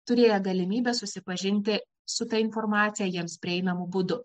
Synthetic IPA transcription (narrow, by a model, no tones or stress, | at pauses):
t̪ʊɾʲeːjɛɡɐlʲɪmʲiːbʲɛsʊsʲɪpɐʒʲɪnʲt̪ʲɪ | sʊt̪ɐɪnfɔɾmɑːt̪sʲɪjɛːjiɛmspʲɾʲɪɛɪnɐmʊbʊd̪ʊ